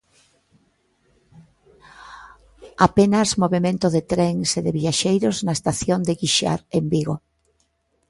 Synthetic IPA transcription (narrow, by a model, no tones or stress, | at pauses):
apenazmoβemẽnt̪oðet̪ɾeŋseðeβiaʃejɾoznaest̪aθjond̪eɣiʃa̰ɾembiɣo